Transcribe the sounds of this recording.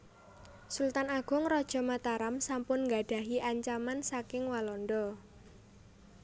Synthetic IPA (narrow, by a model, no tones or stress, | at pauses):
sult̪anaɡ̥ʊ̤ŋrɔd̥ʒ̥ɔ̤mat̪aɾamsampʊnŋɡaɖ̥a̤ɦiʔaɲt͡ʃamansakɪŋwalɔndɔ